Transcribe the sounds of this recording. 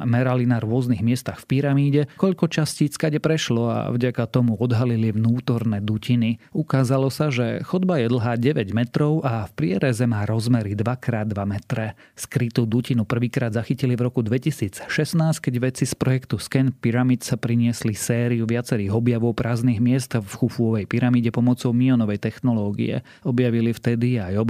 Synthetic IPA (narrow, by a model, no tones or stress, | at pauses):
mɛɾalinaɾʊɔzniɣmɪɛst̪axfpiɾamiːɟɛkɔʎkɔt͡ʃasciːt͡skaɟɛpɾɛʃlɔa̰vɟakat̪ɔmuɔd̪ɦaliliʋnuːt̪ɔɾnɛd̪uciniukaːzalɔsaʒɛxɔd̪bajɛd̪l̩ɦaːɟɛʋɛɟmɛt̪ɾɔʊʔafpɾɪɛɾɛzɛmaːɾɔzmɛɾid̪ʋakɾaːd̪ːʋamɛt̪ɾɛ | skɾit̪uːd̪ucinupr̩ʋiːkɾaːd̪zaxicilivɾɔkud̪ʋɛcisiːt͡sʃɛsnaːsc̚kɛɟʋɛt͡sispɾɔjɛkt̪uskɛnpiɾamit̪sapɾiɲɪɛslisɛːɾiuʋɪat͡sɛɾiːɣɔbjaʋɔʊpɾʔaːzniːɣmɪɛst̪fxufuɔʋɛjpiɾamiːɟɛpɔmɔt͡sɔʊmiɔnɔʋɛjt̪ɛxnɔlɔːɡḭɛ̰ | ɔbjaʋilift̪ɛd̪iajɔb